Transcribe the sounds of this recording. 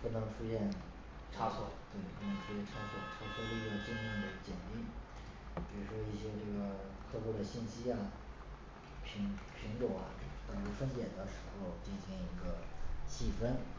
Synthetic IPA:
pu˥˩nɤ˧˥ŋʈ͡ʂʰu˥ɕjɛ˥˩n | ʈ͡ʂʰa˥sɔ̰˨˩˦t̪we˥˩ɪpu˥˩n˧˥ŋʈ͡ʂʰu˥ɕjɛ˥˩nʈ͡ʂʰa˧˥swɔ˨˩˦ʊt̪ʰɤ˥˩tʰɤ˥li˧˥˧ə˧˩t͡ɕi˥˧ŋmɛ˥˩nd̪ə˧˩t͡ɕjɛ˨˩nt̪i˥˩ | pi˨˩ɻu˧˥ʂwɔ˥i˥˩ɕjɛ˥ʈ͡ʂɤ˥˩ɡə˩k̪ʰɤ˥˧pwɔ˥˩d̪ə˩ɕi˥˩nɕi˥a˨˩ | pʰi˧˥ŋpʰi˧˥nʈ͡ʂo˨˩ʊɐ̰˧t̪ɑ˥ŋʈ͡ʂu˧˥fə˥npjɛ˨˩nd̪ə˦ʂɻ̩˧˥xo˥˧ʊt͡ɕi˥˩nɕi˧˥ŋi˧˥ɡə˧ɕi˥˩fə˥n

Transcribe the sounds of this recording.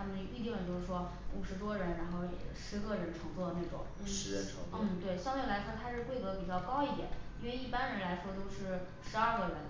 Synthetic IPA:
t̪ʰa˥mə˨n˧p̪i˥˧˩t̪i˥˩wə˨˩nt͡ɕjo˥˧ʊʂɻ̩˥˩ʂwɔ˥ | u˨˩ʂɻ̩˧˥t̪wɔ˥ɻə˧˥nɻa˧˥nxo˥˩ʊjɛ̰˨˩ʂɻ̩˧˥ɡə˥˧ɻə˧˥nʈ͡ʂʰɤ˧˥ŋt͡swɔ˥˩lə˩ne˥˩ʈ͡ʂʊ̰˨˩˦ŋ | ʂɻ̩˧˥ɻə̰˧˥nʈ͡ʂʰɤ̰˧˥ŋn̩˥˩t̪we˥˩ɪɕjɑ˥ŋt̪we˥˩ɪla˧˥ɪʂwɔ˥t̪ʰa˥ʂɻ̩˥˧kwe˥˩ɪkɤ˧˥pi˨˩t͡ɕjɑ˥˩ʊkɑ˥ʊi˥˩jɛ̰˨˩˦ni˥nwe˥˧ɪi˥˩pa˥nɻə˧˥nla˧˥ɪʂwɔ˥t̪o˥ʊʂɻ̩˥˩ | ʂɻ̩˧˥a˞˥˧ɡə˥˧˩ɻə̰˧˥n

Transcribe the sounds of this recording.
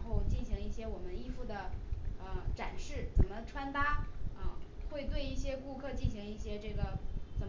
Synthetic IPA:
xo˥˧ʊt͡ɕi˥˩nɕi˧˥ŋi˥˩ɕjɛ˥wɔ˨˩mə˦ni˥˧fu˥˩d̪ə˩ə˧ʈ͡ʂa˨˩nʂɻ̩˥˩t͡sə˨˩nmə˦ʈ͡ʂʰwa˥nt̪a˥ə˥˧xwe˥˧ɪt̪̬we˥˧ɪi˥˩ɕjɛ˥ku˥˧kʰɤ˥˧t͡ɕi˥˩nɕi˧˥ŋi˥˩ɕjɛ˥ʈ͡ʂɤ˥˩ɡə˩t͡sə˨˩n

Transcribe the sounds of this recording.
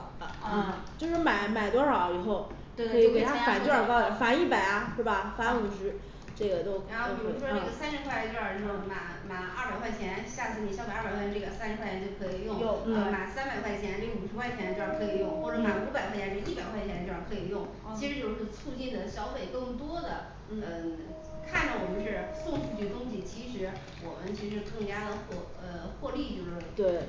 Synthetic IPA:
n̩˥˧˩ | t͡ɕjo˥˧ʊʂɻ̩˥˧˩ma˨˩˦ɪma˨˩ɪt̪wɔ˥ʂɑ˧˩ʊi˨˩xo˥˩ʊ | t̪wʰɤ˧˥˧ke˨˩tʰfa˨˩˥t͡ɕjo˥˧ə˞˨˩kɑ˥ʊd̪ə˨˩fa˧˥i˥˩pa˨˩ɪɐ˦ʂw̩˥˩bɐ˩fa˧˥u˨˩ʂɻ̩˧˥ | ʈ͡ʂɤ˥˩ɡə˩t̪o˥ʊkʰɻa˧˥xo˥˩˧pi˨˩ɻu˥˧˥ʂwɔ˥ʈ͡ʂɤ˥˩ɡə˩sa˥nʂɻ̩˧˥kʰwa˥˧t͡ɕjo˥˧˩ə˞˨˩no˧˩˧ma˨˩ | ma˨˩ɐ˞˥˩pa˨˩ɪkwa˥˩ɪt͡ɕʰjɛ˧˥nɕja˥˩ɹ̩˧˥ni˨˩ɕja˨˩˥a˨˩kʰwʈ͡ʂə˥˩ɡə˨˩sa˥nʂɻ̩˧kʰwa˥˩t͡ɕʰjɛ˧˥t͡ɕjo˥˩kʰɤ˧˥i˨˩jʊ˥˩ŋjo˥˩ə˧ma˨˩sa˥npa˨˩ɪkʰwa˥˩ɪt͡ɕʰjɛ˧˥nle˥˩˧ʂɻ̩˧˥kwɪt͡ɕʰjɛ˧˥no˥˧a˥˩kʰɤ˧˥i˨˩jʊ˥˧ŋxwɔ˥˩ʈ͡ʂə˧˥ma˨˩u˧˥pa˨˩ɪxwa˥˩t͡ɕʰj̩˧˥i˥˩pa˨˩ɪkʰwa˥˩ɪt͡ɕʰɛ˧˥nʈ͡ʂo˥˧˩ja˞˥˩kʰɤ˧˥i˨˩jʊ˥˩ŋ | t͡ɕʰi˧˥ʂɻ̩˧˥jo˥˧ʊʂɻ̩˥˩˧t͡sʰu˥˧t͡ɕi˥˩nd̪ə˩ɕjɑ˧˥ʊfe˨˩ɪkɤ˥˩ŋt̪wɔ˥d̪ə˨ | ə˧ | kʰa˥˩nd̪wɔ˨˩mə˦nʂɻ̩˥˧sʊ˥˧ŋfʰu˥˩t͡ɕy˥˩˧t̪ʊ˥ŋɕi˨˩t͡ɕʰi˧˥ʂɻ̩˧˥ | wɔ˨˩mə˦nt͡ɕʰi˧˥ʂɻ̩˧˥ʂɻ̩˥˧˩kɤ˥˩ŋt͡ɕja˥d̪ə˨xɔ˥˧ | ə˧xwɔ˥˧li˥˧t͡ɕjo˥˧ʊʂɻt̪we˥˩

